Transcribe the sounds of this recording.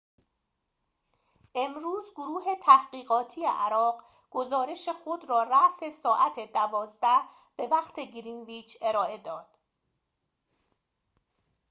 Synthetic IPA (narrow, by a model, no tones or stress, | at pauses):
ʔe̞mɾuːzɡoɾuːɦe̞t̪ʰæhɢ̥iːɣɒːt̪ʰije̞̰ʔæɾɒːɢ | ɡ̥o̞zɒːɾe̞ʃexod̪rɒːræʔse̞sɒːʔæt̪ʰed̪ævɒːzd̪æh | b̥e̞væχt̪ʰe̞ɡɾinviːt͡ʃʰe̞ɾɒːʔe̞d̪ɒːd̪̥